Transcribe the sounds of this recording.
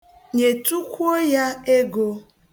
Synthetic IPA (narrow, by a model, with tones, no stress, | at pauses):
ɲe˨tu˦kʷo˦ja˦e˦ɡo˦